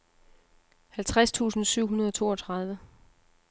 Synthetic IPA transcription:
hælt͡sʰʁast͡sʰṵːsn̩syʊ̰ɦunɐð̞ˠɒ̽t͡sʰo̝ːɒt͡sʰʁɑ̈ð̞ˠʋə

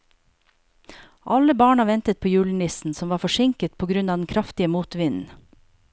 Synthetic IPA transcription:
ʔɑləbɑːɳɑʋɛnt̪ət̪̚pʰoːjʉːlɳ̩ɪsn̩sɔmʋɑːfɔʃɪŋkət̪̚pʰoːɡɾʉnɑːd̪ɛn̩kʰɾɑft̪ɪəmuːt̪ʋɪnn̩

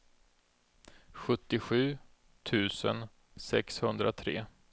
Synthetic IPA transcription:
ɧɵt̪ːɪɧʉ̟ː | t̪ʰʉ̟ːsə̰n | sɛ̰kshɵnd̪ɾat̪ʰɾḛː

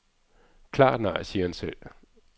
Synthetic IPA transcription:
kʰlɑ̰̈ːd̥nɑ̈ɪ̰siːɐhænsel̰

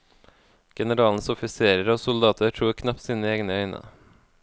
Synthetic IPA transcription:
ɡ̥ɛnəɾɑːln̩sʊfɪseːɾəɾəoːsʊld̪ɑːt̪ʰəʈ̪ʰɾuːɾkʰnɑp̚t̪siːnəeːɡnəœʏnə̰

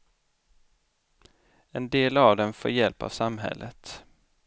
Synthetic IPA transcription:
ɛnd̪eːlavd̪ɛnfoːɾjɛlpa̰v̥samɦɛ̰lːʔət̪

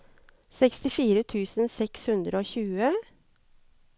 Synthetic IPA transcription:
sɛkst̪ɪfiːɾət̪ʰʉːsn̩sɛkshʉnd̪ɾəoːçʉːə

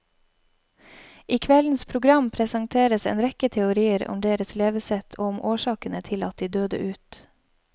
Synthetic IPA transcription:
ʔiːkʰʋɛln̩spʰɾʊɡɾɑmpʰɾɛsɑŋt̪ʰeːɾəsḛːnɾɛkət̪ʰɛʊɾiːəɾʊ̰md̪eːɾəsleːʋəsɛt̪ʰoːʊmʔoːʃɑːkənət̪ʰɪlɑ̰t̪̚d̪iːd̪øːd̪ə̰ʔʉːt̪

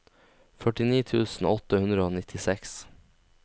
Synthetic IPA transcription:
fœʈɪniːt̪ʰʉːsn̩ɔt̪əhʉnd̪ɾəoːnɪt̪ʰɪsɛks

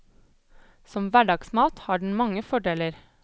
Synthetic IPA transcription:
sɔmʋæɖɑːɡsmɑːt̪hɑːɖɳ̩mɑŋəfɔɖeːləɾ

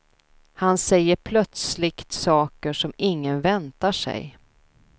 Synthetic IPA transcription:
hansɛjːəɾpʰlœt̪slɪkt̪sɑːkəʂɔmɪŋːənvɛnt̪aʂɛ̰j

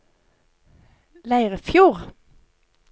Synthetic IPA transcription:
læɪʁəfjuːʁ

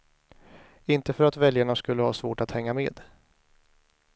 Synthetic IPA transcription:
ɪnt̪əfœɾat̪vɛljaɳaskɵlːəhɑ̰ːsvoːʈat̪hɛŋːameːd̪

